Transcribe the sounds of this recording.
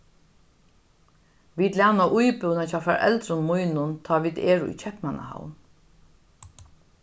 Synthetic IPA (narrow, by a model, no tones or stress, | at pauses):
ʋiːt̪lanaʔujpɪwnat͡ʃʰaːfɛɾʔɛ̰lt̪ɾʊnmʊjnʊnt̪ʰaːʋiːd̪ɛːɾʊṵjt͡ʃʰɛhpnana̰ha̰wn